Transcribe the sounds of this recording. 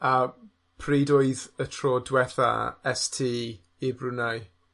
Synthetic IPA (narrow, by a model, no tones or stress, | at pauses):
a | pʰriːdoɨðətʰrɔdwɛθa̰ɛstʰiː | ibrʊnaɨ